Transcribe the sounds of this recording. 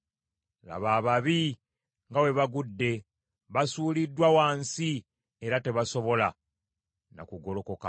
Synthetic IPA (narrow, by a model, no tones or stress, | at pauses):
la̰βaːβaβi | ŋɡawe̞βaɡudːe̞ | βasuːlidːwawaːnsi | eɾate̞βaso̞βo̞la | na̰kuɡo̞lo̞ko̞ka